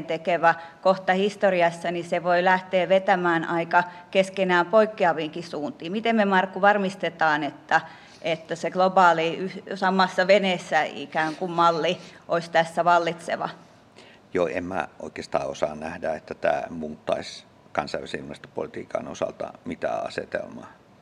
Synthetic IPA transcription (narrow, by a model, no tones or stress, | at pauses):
nt̪ekeʋæ | koht̪ɑhist̪oriɑsːɑniseʋoilæht̪eːʋet̪æmæːnʔɑikɑkeskenæːmpoikːeɑʋiːŋkisuːnt̪iːmmit̪emmemɑrkːuʋɑrmist̪et̪ɑːnet̪ːæ | ʔet̪ːæseɡ̥lobɑːliysɑmːˑɑsːɑʋeneːsːæḭkæːŋkummɑlːiʔoist̪æsːæʋɑlːit̪sḛʋɑ̰ | joːḛmmæ̰ʔo̰ˑikest̪ɑ̰ːosɑːnnæhdæet̪ːæt̪æ̰ːmuːt̪ːˑɑisʲ | kɑnsɑiʋˑæsiimærst̪o̥po̰lit̪iːkɑ̰no̰sɑlt̪ɑ̰mit̪æ̰ːɑ̰sḛt̪ḛlmɑː